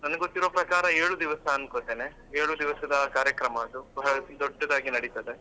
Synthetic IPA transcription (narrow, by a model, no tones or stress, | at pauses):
nɐnɡot̪ːiɾoːpɾɐkaːɾɐeːɭud̪iʋɐsɐːnkoːt̪ːeːne | eːɭud̪iʋɐsɐd̪ɐkaːɾjɐkɾɐmɐːd̪ubɐɦɐɭɐd̪ɔɖːɐd̪aːɡinɐɽit̪ɐd̪e̞